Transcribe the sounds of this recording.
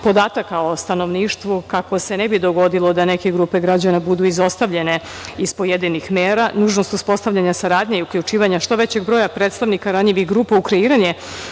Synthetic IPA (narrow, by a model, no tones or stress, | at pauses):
po̞d̪aːt̪akaost̪ano̞ʋniːʃt̪ʋukako̞senebid̪o̞ɡo̞d̪ilˠo̞d̪ane̞ke̞ɡɾuːpe̞ɡɾad͡ʑanabud̪uizo̞st̪aʋʎe̞ne̞ | ispo̞jed̪inixmeːɾanuːʒnost̪uspo̞st̪aʋʎaɲasaɾaːd̪ʲɲeiukʎut͡ʃiːʋaɲaʃt̪o̞ʋe̞t͡ɕe̞ɡbɾojapɾeːt̪st̪aʋnikaɾaɲʎiʋixɡɾuːpaukɾeiːɾaɲe̞